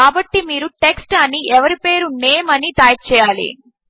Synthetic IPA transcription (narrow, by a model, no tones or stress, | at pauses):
aːbɐʈːimiːɾuʈeksʈɐniʔɛʋɐɾipe̞ːɾuneːmɐnit̪aːjɐt͡ʃɛːjaːlḭ